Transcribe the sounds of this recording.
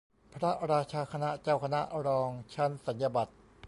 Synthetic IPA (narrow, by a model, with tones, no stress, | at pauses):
pʰɾa˦˥ɾaː˧t͡ɕʰaː˧kʰa˧na˦˥ʔt͡ɕaː˥˩wkʰa˧na̰˦˥ʔɾɔː˧ŋt͡ɕʰa˦˥˩nsa˩˦nja˧ba˨˩t̪̚